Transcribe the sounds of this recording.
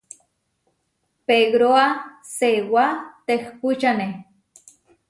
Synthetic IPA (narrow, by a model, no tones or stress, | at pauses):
peɡɾoa | sewat̪ehput͡ʃane